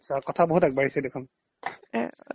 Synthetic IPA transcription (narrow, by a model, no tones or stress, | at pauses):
sakɔtʰaboɦutaɡ̚baɹisɛdekʰun | ɛ̃